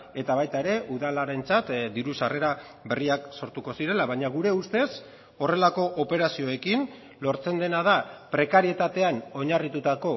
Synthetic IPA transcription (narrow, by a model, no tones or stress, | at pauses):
e̞t̪aβajt̪aeɾe̞ʔuðalaɾe̞nt͡sat̪d̪iɾusare̞ɾa | βe̞riakso̞ɾt̪uko̞siɾe̞laβaɲaɣ̞uɾe̞ust̪e̞s | o̞re̞lako̞ʔope̞ɾasio̞e̞kin | lo̞ɾt͡se̞nd̪e̞nað̞apɾe̞kaɾie̞t̪at̪e̞ano̞ɲarit̪ut̪ako̞